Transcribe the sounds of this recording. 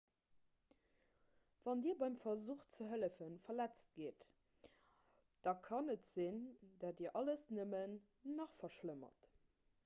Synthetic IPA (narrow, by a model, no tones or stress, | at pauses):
v̥ɑndiːɐbɑɪmfɐzuːχt͡səɦələfənfɐlæt͡st̚ɡ̥eːt | d̥ɑkʰɑnətz̥indaːtdiːɐʔɑləsnəmənː | ɑχfɐʃləmɐ̰t